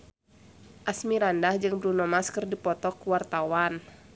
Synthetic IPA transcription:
ʔasmiɾandahd͡ʒɨŋbɾunɔmaskɨrdipɔt̪ɔkuwart̪awan

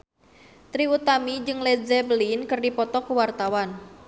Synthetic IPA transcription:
t̪ɾiut̪amid͡ʒɨŋled͡ʒɛbəlinkɨrdipɔt̪ɔkuwart̪awan

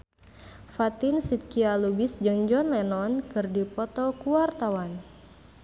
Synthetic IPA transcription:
fat̪insit̪̚kialubisd͡ʒəŋd͡ʒɔnlɛnɔnkɨrdipɔt̪ɔkuwart̪awan

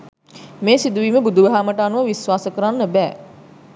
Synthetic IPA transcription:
meːsid̪uʋiːməbud̪uʋəɦaːməʈəanuʋəʋisʋaːsəkəɾanːəbɛː

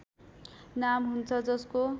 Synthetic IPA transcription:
namɦunt͡sʰʌd͡zʌsko

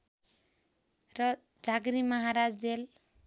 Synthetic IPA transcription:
rʌ | d͡ʒʱaɡɾimʌɦaɾad͡zd͡zel

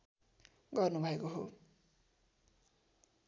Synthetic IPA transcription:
ɡʌrnubʱʌekoɦo

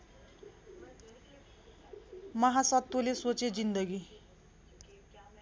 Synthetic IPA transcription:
mʌɦasʌt̪ːolesot͡sed͡zind̪ʌɡi

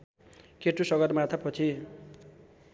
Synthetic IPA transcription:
keʈːusʌɡʌrmat̪ʰapʌt͡sʰi

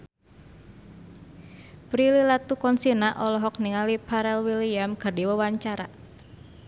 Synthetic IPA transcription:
pɾililat̪ukɔnsinaʔɔlɔɦɔk̚niŋalipaɾɛlwiliamɡərdiwəwaɲt͡ʃaɾa̰

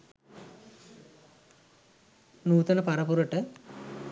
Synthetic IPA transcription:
nuːt̪ɐnɐpɐɾɐpuɾɐʈːɨ

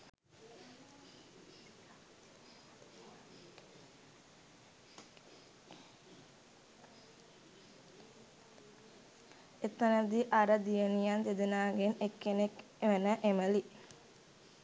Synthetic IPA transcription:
et̪ːənəd̪iʔaɾəd̪ijənijant̪ed̪ənaːɡenekːenek | mənəʔeməli

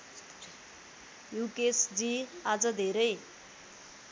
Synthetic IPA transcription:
jukesd͡ziad͡zʌd̪ʱeɾʌj

